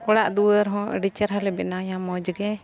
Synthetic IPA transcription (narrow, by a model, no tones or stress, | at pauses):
kɔɽaʔd̪uwəɾɦɔ̃ʔə̰ɖit͡ʃəɾɦalɛbɛ̰najamɔd͡ʒɡɛ